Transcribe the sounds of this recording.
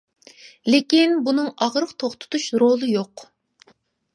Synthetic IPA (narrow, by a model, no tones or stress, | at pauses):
lekʲinbunɨŋɑʁɾəqt̪ʰoχt̪ʰu̥t̪ʰuʃɾolˠɨjoq